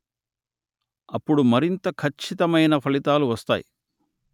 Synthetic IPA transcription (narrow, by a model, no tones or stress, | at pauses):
ɐpːuɽumɐɾint̪ɐkʰɐt͡ʃːit̪ɐmɐjnɐpʰɐɭit̪aːluʋɐst̪a̰ːjḭ